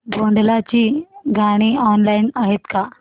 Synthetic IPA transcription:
bʱoɳɖlat͡ɕiːɡʱaɽ̃iɔnlainaɦet̪ka

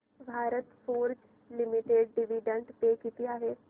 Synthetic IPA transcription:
bʱaːɾət̪foːɾd͡ʒ | lɪmɪʈeːɖɖɪʋiːɖə̃ɳɖpeːkiːt̪ɪjaːɦɛː

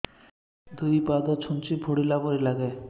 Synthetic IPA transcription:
d̪ʱubipad̪ɔt͡ʃʰunt͡ʃibʱoɽilabɔɾilaɡe

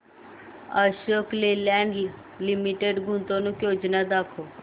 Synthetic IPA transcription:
əʃoːklelɛːŋɡi | lɪmiʈeɖɡʱʊ̃nt̪õːnũːkjoːd͡ʒnad̪aːkʰoː

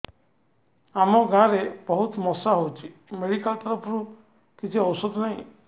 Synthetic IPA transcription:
amɔɡãɾebɔɦut̪mɔsaɦowt͡ʃʰimeɽikalt̪ɔɾɔpʰɔɾu | kit͡ʃʰiɔwsɔd̪naɦĩ

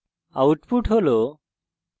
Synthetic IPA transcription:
awʈpuʈɦolo

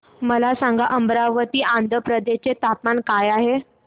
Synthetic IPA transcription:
məlasãŋɡaʔəmbɾaʋət̪iːand̪ʱəpɾəd̪et͡set̪ap̪mankajaɦe

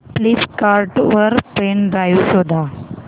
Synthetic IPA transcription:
pliskaɾʈʋəɾpɾenɖɾajusod̪ʱa

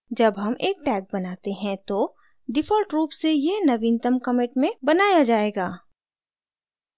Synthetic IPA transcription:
d͡ʒɐbɦɐmʔeːk̚ʈɛːk̚bɐnaːt̪eɦɛ̃t̪o | ɖɪfʰɔːlʈɾuːpsejenɐʋiːnt̪əmkɐmɪʈmẽbɐnaːjad͡ʒaːeːɡaː

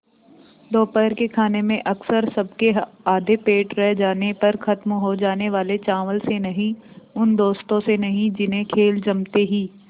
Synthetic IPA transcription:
d̪oːpəɾkekʰaːnemẽʔɐksəɾsɐb̚ʱkeɦaːd̪ʱepeːʈɾɛɦd͡ʒaːnepɐɾxɐt̪mɦod͡ʒaːneʋaːlet͡ʃaːʋəlsenɐɦĩʊnd̪oːst̪õsenɐɦĩd͡ʒɪnɦẽkʰeːld͡ʒɐmt̪eɦiː

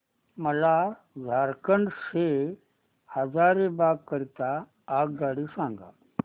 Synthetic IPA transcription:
məla | d͡zʱaɾkəɳɖɕe | həd͡zaɾebaɡ̚kːəɾt̪aː | ɡ̚ɡaɽiːsãŋɡa̰

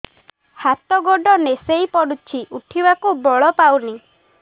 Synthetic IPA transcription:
hat̪ɔɡoɖɔnesejpɔɽut͡ʃʰiʔuʈʰibakubɔɭɔpawni

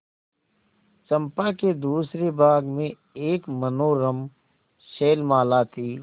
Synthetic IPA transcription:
t͡ʃəmpaked̪uːsɾebaːɡmẽ | eːkmənoːɾəm | ʃeːlmaːlaːt̪ʰiː

